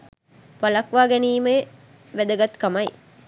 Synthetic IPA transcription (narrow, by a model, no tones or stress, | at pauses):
palɐkʋaːɡɛniːməe | ʋæd̪əɡat̪kamaj